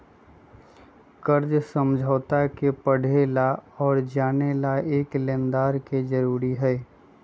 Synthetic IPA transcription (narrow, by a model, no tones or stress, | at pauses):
kəɾd͡ʒsə̃md͡ʒʱəːt̪akepəɽ̤ʱelaɔːɾd͡ʒaːnelaeːkleːnd̪aːɾked͡ʒəɾuːɾiɦɛː